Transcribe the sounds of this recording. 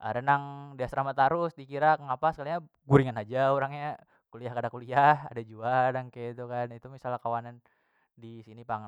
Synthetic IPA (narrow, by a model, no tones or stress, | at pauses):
ʔa̰ɾənaŋdiasəɾamat̪aɾʊsdikiɾakŋapasə̥kaliɲa | ɡuɾiŋanad͡ʒauɾaŋɲa | kuliahkadakuliaha̰dad͡ʒuadaŋkeit̪ukanit̪umisalakawanan | disinipaŋ